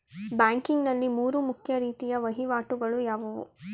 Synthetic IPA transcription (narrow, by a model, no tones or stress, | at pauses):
baːŋkiŋɡnɐlːimuːɾumukʰjɐɾiːt̪ijɐʋɐɦiʋaːʈuɡɐɭujaːʋɐʋṵ